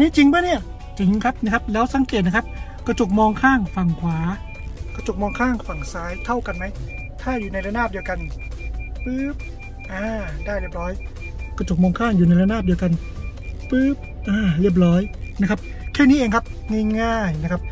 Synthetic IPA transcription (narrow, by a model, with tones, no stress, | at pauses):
niː˦˥˩t͡ɕi˧ŋbaː˥˩jni˥˩ɐ | t͡ɕi˧ŋkʰa˦˥p̚na˦˥kʰa˦˥p̚lɛː˦˥wsa˨˦ŋkeː˨˩t̪̚na˥kʰa˦˥p̚kɔː˧˩t͡ɕu˨˩k̚mɔː˧ŋkʰaː˥˩ŋfa˨˩ŋkʰwaː˩˦ | ka˧˩t͡ɕo˨˩k̚mɔː˧ŋkʰaː˥˩ŋfa˨˩ŋsaː˦˥jt̪ʰa˥˩wka˧nma˦˥j | t̪ʰaː˥˩juː˨˩na˧jla˧˥naː˥˩p̚di˧əwka˧n | pɯː˦˥p̚ | ʔaː˧daː˥˩jɾi˦˥˩əp̚ɾɔː˦˥j | kɔː˧˩t͡ɕo˨˩k̚mɔː˧ŋkʰaː˥˩ŋjuː˨˩na˧jla˧˥naː˥˩p̚di˧əwka˧n | pɯː˦˥p̚ʔaː˧˩li˥˩əp̚ɾɔː˦˥jna˦˥kʰa˦˥p̚ | kʰɛː˥˩niː˦˥ʔeː˧ŋkʰa˦˥p̚ŋi˥˩ŋaː˥˩jna˦˥kʰa˦˥p̚